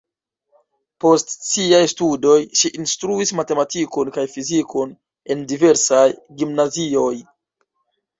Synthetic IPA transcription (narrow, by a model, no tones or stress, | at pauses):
po̞stsiajstudo̞jʃiʔinstɾuismate̞matiko̞nkajfiziko̞n | e̞ndive̞ɾsajɡimnazio̞j